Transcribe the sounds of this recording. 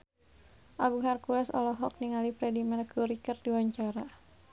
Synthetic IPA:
ʔaɡuŋarkulɛsɔ̰lɔɦɔk̚niŋalipɾɛdimɛrkuɾikərdiwaɲt͡ʃaɾa

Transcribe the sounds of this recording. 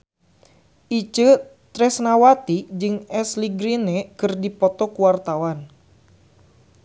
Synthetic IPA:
ʔit͡ʃət̪ɾɛsnawat̪id͡ʒɨŋɛsliɡɾinekɨrdipɔt̪ɔkuwart̪awan

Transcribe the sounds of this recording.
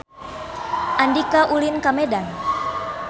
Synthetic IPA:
ʔandikaʔulinkamɛdan

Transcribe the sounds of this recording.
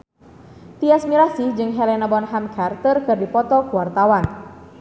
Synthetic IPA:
t̪iasmiɾasid͡ʒɨŋɦɛlɛnabɔnɦamkʰart̪ərkɨrdipɔt̪ɔkuwart̪awan

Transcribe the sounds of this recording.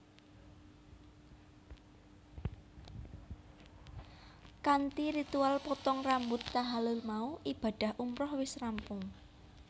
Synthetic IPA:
kant̪iɾit̪ualpɔt̪ɔŋrambʊt̪ːaɦalʊlmauʔib̥a̤ɖ̥a̤hʔumpɾɔhwɪsrampʊŋ

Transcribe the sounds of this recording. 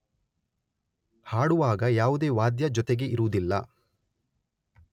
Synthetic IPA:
haːɽuʋaːɡɐjaːʋud̪e̞ːʋaːd̪jɐd͡ʒɔt̪eɡe̞ʔiɾuud̪ilːɐ̰

